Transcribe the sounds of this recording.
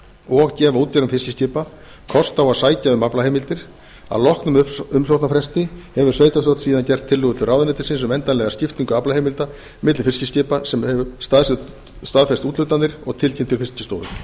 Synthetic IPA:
ɔɣcɛːvauːt̪cɛɾʏmfɪscɪscɪːpa | kʰɔst̪awaðsaːjcaʏmaplaheːjmɪlt̪ɪɾ̥ | a̰lɔhknʏmʏms̬owht̪nafɾɛst̪ɪhɛvʏɾ̥sveːjt̪ast̪owt̪siːðancɛr̥t̪ʰːɪlːʏːɣʏt̪ʰɪlraːwðɪnɛːt̪ɪ̥ɾsɪnsʏmɛnt̪anɛɣascɪft̪iŋkʏaplaheːjmɪlt̪a | mɪt̪lfɪrscɪscɪːpasɛmhɛvʏst̪aðs | st̪aːðfɛst̪uːt̪lʏt̪anːɪɾ̥ɔɣt̪ʰɪlcʰemt̪ʰɪlfɪ̥scɪst̪owðʏ̰

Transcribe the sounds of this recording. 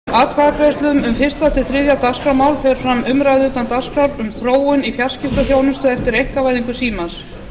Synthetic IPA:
aːt̪kʰaðakɾest̪lʏmʏmfɪr̥st̪at̪ɪθɾɪðjat̪askɾawmaːwlfɛɾ̥fɾamʏmɾajðuːt̪ant̪askɾaɾʏmθɾoːwʏnifjḁscɪft̪aθjoːwnʏmst̪ʏɛft̪ɪɾejhkavajðiŋkʏsiːmans

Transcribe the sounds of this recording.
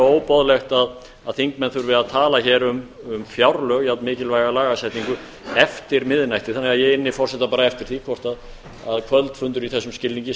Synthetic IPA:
oːwpɔðlɛxt̪að | aðθiŋkmɛnθʏɾvɪðaðt̪ʰaːlaçɛːɾʏm | ʏmfjawɾlœːɣjawt̪nmɪːcɪlvajɣalaːɣasajt̪niŋkʏ | ɛft̪ɪɾmɪðnajht̪ɪ̥θanːɛɣaðjɛɣɪnːɪfɔr̥sɛht̪ːapaːɾaɛft̪ɪɾ̥θikʰvɔr̥t̪að | aðkʰvœlt̪fʏnt̪ʏɾiθɛsːʏmscɪlːiŋɲcɪ

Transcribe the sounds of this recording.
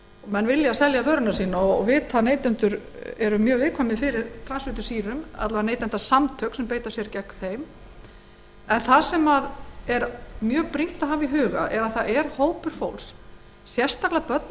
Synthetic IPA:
mɛnːvɪljasɛljavœɾʏnasiːnaɔvɪt̪ʰaneːjt̪ʏnt̪ʏɾ | ɛɾʏmːjœːɣvɪːkʰvamɪfɪɾɪɾt̪ʰɾansvɪt̪ʏ̥siːɾʏma̰t̪lvaneːjt̪ɛnt̪asamt̪ʰœksɛmpeːjt̪ḁsjɛɾcɛkθejm | ɛnθasɛmaðɛɾmjœːɣpɾiŋ̥t̪aɦaviɦʏːɣa̰ʔɛɾaðθaðʔɛɾ̥hoːwpʏɾ̥fo̰wls | sjɛr̥st̪aklapœt̪̚n

